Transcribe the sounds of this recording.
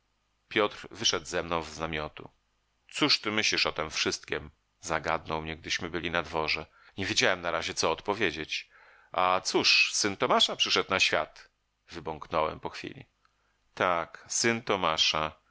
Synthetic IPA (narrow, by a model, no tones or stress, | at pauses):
pʲjɔt̪ɾvɘʂɛd̪zɛmnɔ̃w̃vznamʲjɔt̪ṵ | t̪suʂt̪ɘmɘɕlʲiʂɔt̪ɛmfʂɘst̪̚kʲim | zaɡad̪nɔwmɲɛɡ̚d̪ɘɕmɘbɘlʲinad̪vɔʐɛ | ɲevʲjed͡ʑawɛmnaɾaʑɛt̪sɔːt̪pɔvʲjed͡ʑet͡ɕ | ʔat̪suʂsɘnt̪ɔmaʂapʂɘʂɛt̪̚naɕfʲja̰t̪ | vɘbɔŋknɔwɛ̰mpɔxfʲḭlʲḭ | t̪aksɘnt̪ɔmaʂa